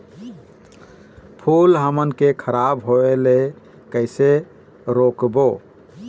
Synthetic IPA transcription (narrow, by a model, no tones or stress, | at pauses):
pʰulɦəmənkekʰəɾabɦoele | kəɪse | ɾokbo